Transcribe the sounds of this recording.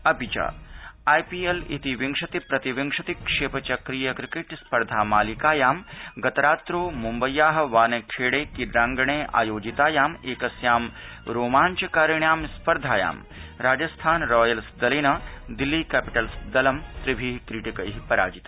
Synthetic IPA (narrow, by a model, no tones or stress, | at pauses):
ɐpit͡ʃa̰ːaːjpiːelḭt̪iʋiŋkʂɐt̪ipɾɐt̪iʋiŋʂɐt̪ikʂeːpɐt͡ʃɐkɾijɐkɾikeʈspɐɾd̪ʱaːmaːlikaːjaːmɡɐt̪ɐɾaːt̪ɾoːmumbɐjːaːɦɐ̆ʋaːnekʰeːɽeːkiɖɾaːŋɡɐɳeːʔa̰ːjoːd͡ʒit̪aːjaːmeːkɐsjaːm | ɾoːmaːɲt͡ʃɐkaːɾjɐɳjaːmspɐɾd̪ʱaːja̰ːm | ɾaːd͡ʒɐst̪ʰaːnɾɔːjɐlsd̪ɐlɐnɐd̪ilːiːkæːpiʈɐlsd̪ɐlɐmt̪ɾibʱiːɦkɾiʈikɐjɦipɐɾa̰ːd͡ʒit̪ː